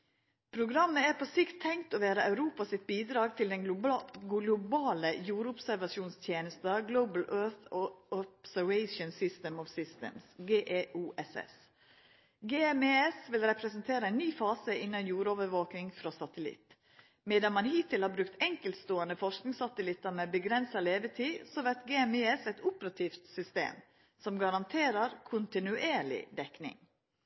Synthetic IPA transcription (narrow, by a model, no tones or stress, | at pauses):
pʰɾʊɡɾɑmːəæɾpʰɔsɪkt̪ʰːɛŋt̪ɔʋæːɾəɑʉɾuːpɑsɪt̪̚biːd̪ɾɑːɡt̪ʰɪld̪ɛnɡlʊbɑːləjuːɾʊpsæɾʋɑsuːnst̪ʰjeːnəst̪ɑɡloʊbəl̩øːθɔpsæɾʋɛɪʃənsɪst̪əmɔʋsɪst̪ə̰msɡeːʔeːʔuːʔɛsɛ̰s | ɡeːɛmeːɛsʋɪlɾɛpɾɛsənt̪ʰeːɾəæɪnːyːfɑːsəɪnːɑnjuːɾoʋəɾʋoːknɪŋfɾɔsɑt̪əlɪ̰t̪ | mɛːd̪ɑnmɑnhiːt̪ʰɪlhɑːɾbɾʉkt̪ɛŋkəlt̪st̪oːənəfɔʂknɪŋsɑt̪əlɪt̪ːəɾmɛbəɡɾɛnsɑleːʋət̪ʰiːsɔʋæɾt̪ɡeːɛmeɛsɛt̪ʊpəɾɑt̪ʰiːft̪sʏst̪ḛːm | sɔmɡɑɾɑnt̪ʰeːɾəɾkʰʊnt̪ɪnʉʔeːɭɪ̰d̪ɛknɪ̰ŋ